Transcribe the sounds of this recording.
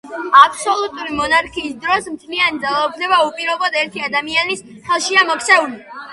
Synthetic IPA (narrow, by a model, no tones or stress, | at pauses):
apʰsɔlˠut̪ʼuɾimɔnaɾkʰiːsd̪ɾɔsmt̪ʰliand̪zalˠaupʰnɛbaupʼiɾɔbɔd̪ɛɾt̪ʰiad̪amianis | χɛlˠʃiamɔkʰt̪sʰɛuli